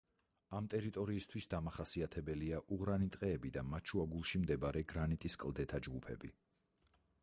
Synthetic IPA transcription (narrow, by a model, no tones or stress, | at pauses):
amt̪ʼɛɾit̪ʼɔɾiːst̪ʰwisd̪amaχasiat̪ʰɛbɛliaʔuʁɾanit̪ʼqʼɛːbid̪amat͡ʃʰuaɡulˠʃimd̪ɛbaɾɛɡɾanit̪ʼiskʼlˠd̪ɛt̪ʰad͡ʒɡupʰɛ̰bi